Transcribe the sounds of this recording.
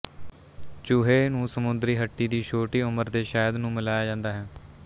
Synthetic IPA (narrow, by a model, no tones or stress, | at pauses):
t͡ʃʊɦeːnũːsəmʊnd̪ɾiːɦəʈːiːd̪iːʃʰoːʈiːʊməɾd̪eːʃaːjəd̪nũːmɪlaːjaːd͡ʒãːnd̪aːɦɛː